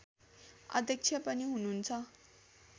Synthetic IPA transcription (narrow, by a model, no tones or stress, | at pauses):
ʌ̰d̪ʱjʌk̚t͡sʰjʌpʌniɦununt͡sʰʌ